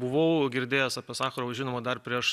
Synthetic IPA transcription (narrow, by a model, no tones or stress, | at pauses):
bʊʋɐʊɡʲɪɾʲd̪ʲeːjɛsɑːpʲiɛsɑːxɐɾoːʒʲɪnoːmɐd̪ɐrpʲɾʲiɛʃ